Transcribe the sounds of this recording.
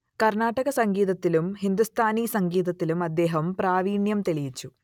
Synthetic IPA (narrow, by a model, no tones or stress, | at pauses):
kɐrnaːʈːɐɣɐsɐŋɡiːðɐt̪ːilumhind̪ust̪ʰaːniːsɐŋɡiːðɐt̪ːilumɐd̪ːe̞ːɦɐmpɾaːʋiːɳjɐmt̪eɭijit͡ɕːu